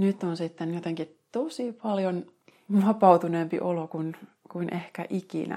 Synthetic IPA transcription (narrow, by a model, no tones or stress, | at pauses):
nyt̪ːonsit̪ːenjot̪eŋkit̪osipɑljon | ʋɑpɑut̪unempḭʔolokun | kuinʔehkæʔikḭnæ̰